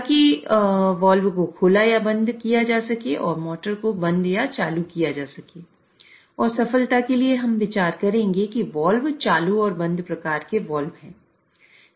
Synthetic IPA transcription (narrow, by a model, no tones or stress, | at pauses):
t̪aki | ʋɔːlʋkokʰoːlajabɐ̃nd̪kijad͡ʒaːsɐkeʔɔːɾmɔːʈəɾkobɐ̃nd̪jat͡ʃaːlukijad͡ʒaːsɐkeː | ɔːɾsɐfəlt̪akelieɦɐmʋɪt͡ʃaːɾkɐɾẽːŋɡekiʋɔːlʋt͡ʃaːluɔːɾbɐ̃nd̪pɾɐkaːɾkeʋɔːlʋɦɛ̃ː